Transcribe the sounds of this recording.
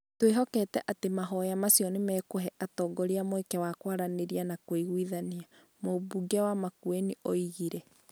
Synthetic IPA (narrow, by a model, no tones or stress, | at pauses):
tweɦɔkɛtɛʔatemaɦɔjamasjɔnemɛːkoɦɛʔatɔːɡɔɾiamoekɛwakwaɾaneɾianakwoiɣwiðania | mobuɡɛwamakweniʔɔiɣiɾɛ